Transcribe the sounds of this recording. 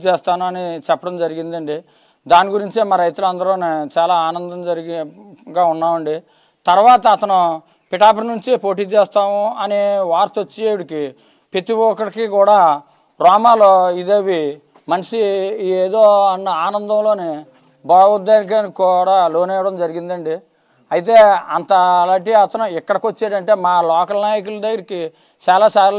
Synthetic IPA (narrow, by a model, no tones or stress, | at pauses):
t͡ʃeːst̪aːnuɐnit͡ʃɛpːɐɽɐmd͡ʒɐɾiɡind̪ɐɳɖi | d̪aːniɡuɾiɲt͡ʃimaːɾɐjt̪ulɐnd̪ɐɾloːneːt͡ʃaːlaːaːnɐnd̪ɐmd͡ʒɐɾɡɡaːunːaːʋɐɳɖi | t̪ɐɾʋaːt̪ɐːt̪ɐnu | piʈaːp̬ɐɾnuɲt͡ʃipo̞ːʈ̬iːt͡ʃeːst̪aːmuɐneʋaːɾt̪ot͡ʃːieːuɽiki | pet̪ibɔːkɐɾkikuːɽaː | ɾɔːmaːloːid̪eːʋi | mɐnɐʂieːd̪oːɐnːɐaːnɐnd̪ɐmlo̞ːne | baːud̪ːenik̬ankuɽaːlo̞ːnɛːʋɐɽɐmd͡ʒɐɾiɡind̪ɐɳɖi | ɐjit̪eːɐnt̪ɐlaːɳʈ̬iɐt̪ɐnuikːɐɽɐkot͡ʃːeːɾɐɳʈe̞ːmaːlɔːkɐlnaːjikuld̪ɐɡɐɾiki | t͡ʃaːlaːsaːɾ